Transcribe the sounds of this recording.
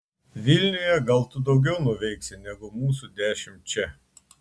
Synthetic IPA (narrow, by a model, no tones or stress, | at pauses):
ʋʲɪlʲnʲʊjɛɡɐlˠt̪ʊd̪ɒʊɡʲɛʊnʊʋʲɛɪksʲɪnʲɛɡʊmuːsud̪ʲæːʃʲɪmʲt͡ʃʲɛ